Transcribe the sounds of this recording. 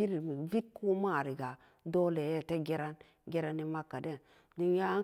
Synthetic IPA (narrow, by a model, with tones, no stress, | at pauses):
i˦ɾi˨mi˨vi˦t̚ku˦ma˦˨ɾi˨ɡa˨ | do˦le˨je˦˨te˦ɡe˦ɾa˦n | ɡe˦ɾa˦ni˦ma˦kːa˨de˦˨n | du˦nja˦